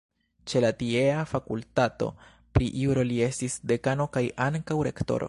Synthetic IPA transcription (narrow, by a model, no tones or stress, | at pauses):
t͡ʃe̞latie̞afakultato̞̰ | pɾiʔuɾo̞lie̞stisde̞kano̞kajʔaŋkawɾe̞kto̞̰ɾo̰